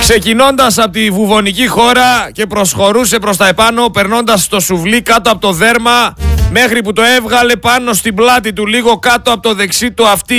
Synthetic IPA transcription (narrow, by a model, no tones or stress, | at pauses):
kse̞cino̞nd̪ɐsɐpot̪ivuvo̞nicixo̞ɾɐce̞pɾo̞sxo̞ɾuse̞pɾo̞st̪ɐepɐno̞pe̞ɾno̞nd̪ɐsːt̪o̞suvlikɐt̪oɐpo̞t̪o̞ðe̞ɾmɐme̞xɾiput̪o̞e̞vɣɐle̞pɐno̞st̪iblɐt̪̬it̪̬uliɣo̞kɐt̪o̞ɐpot̪o̞ðe̞ksit̪uɐft̪i